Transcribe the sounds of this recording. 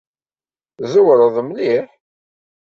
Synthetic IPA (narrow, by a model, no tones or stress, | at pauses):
zəwɾˤəðˤmliħ